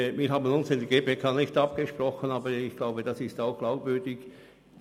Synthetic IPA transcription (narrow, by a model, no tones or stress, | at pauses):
viːɦaːbənʊnsɪndəɡeːpekʰaːnɪçtɑp̚ɡ̥əʃprɔxənɑːbəɪçɡ̥laʊbəd̥ɑsɪstaʊxɡ̥laʊpvʏɐdɪç